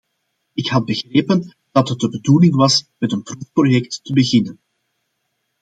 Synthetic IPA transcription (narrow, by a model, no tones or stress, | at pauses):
ɪkhɑd̚bəɣreːpən | d̥ɑtɦət̚dəbədulɪŋʋɑsmɛtənprufprojɛktːəbəɣɪnən